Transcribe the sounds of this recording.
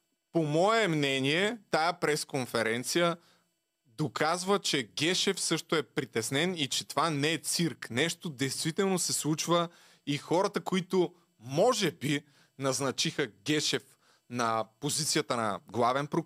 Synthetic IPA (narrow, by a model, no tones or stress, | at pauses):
pomɔɛmnɛniɛt̪ajəpɾɛskonfɛɾɛnt̪sijə | d̪okazvət͡ʃɛɡʲɛʃɛfsɤʃt̪oɛpɾit̪ɛsnɛnit͡ʃɛt̪ovanɛːt̪siɾknɛʃt̪od̪ɛjst̪vit̪ɛlˠnosɛslˠut͡ʃvə | ixɔɾɐt̪əkoit̪o | mɔʒɛbi | nɐznɐt͡ʃixəɡʲɛʃɛf | nɐpozit̪sijət̪ənɐɡlˠavɛnpɾo